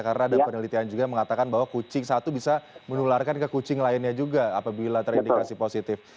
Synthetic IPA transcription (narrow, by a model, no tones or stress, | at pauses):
kaɾənaːdapənəlit̪iand͡ʒuɡaməŋat̪akanbaɦwakut͡ʃɪŋsat̪ubisamənularkankəkut͡ʃɪŋlaɪnɲad͡ʒuɡaːpabilat̪əɾindikkasiposit̪ɪf